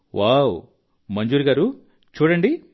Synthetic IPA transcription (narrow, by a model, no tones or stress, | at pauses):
ʋaːw | mɐɲd͡ʒuːɾiɡaːɾu | t͡ʃuːɽɐɳɖi